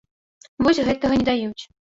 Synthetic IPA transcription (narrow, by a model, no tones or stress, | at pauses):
vɔsʲɣɛt̪ɐɣɐnʲɛd̪ajut͡sʲ